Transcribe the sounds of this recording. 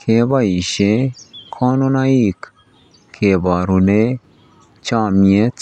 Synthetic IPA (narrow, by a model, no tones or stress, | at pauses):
kʰebɐiʃekʰaːnonaiːk | kʰebaːɾune | t͡ʃaːmiet͡s